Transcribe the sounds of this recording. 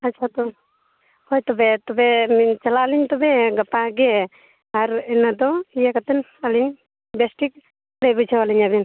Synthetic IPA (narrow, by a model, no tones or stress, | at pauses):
at͡ʃʰat̪ɔ | hɔjt̪ɔbɛt̪ɔbɛmt͡ʃalaliɲt̪ɔbɛɡapaɡɛ | aɾɛnad̪ɔijakat̪ɛn | aliɲ | bɛsʈik̚ | ɾajbut͡ʃʰawaliɲabin